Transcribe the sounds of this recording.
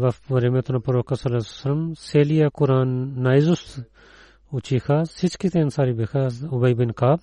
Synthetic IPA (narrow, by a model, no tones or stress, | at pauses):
ʋɐfʋɐɾemeːt̪ʰunapɐɾoːkasɐlassɐləmseːlijaːkʊɾaːnːaːizʊst̪ | ʊt͡ʃʰiːkʰaːsɪt͡ʃʰkit̪eːnsaːɾibekʰaːʊbɐibɪnkaːb